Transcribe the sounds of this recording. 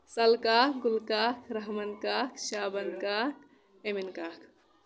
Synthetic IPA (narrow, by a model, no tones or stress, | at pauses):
sɐlkaːkɡulkaːkɾɐɦmɐnkaːkʃaːbənkaːk | eminkaːkʰ